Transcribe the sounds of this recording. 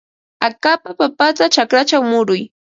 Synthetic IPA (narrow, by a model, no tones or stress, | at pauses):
akapapapat̪at͡ʃakɾat͡ʃawmʊɾʊj